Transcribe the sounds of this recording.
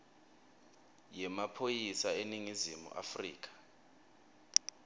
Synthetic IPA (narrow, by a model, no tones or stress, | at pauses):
jɛmapʰojisaeniŋizimṵʔa̰frḭːk̬ḁ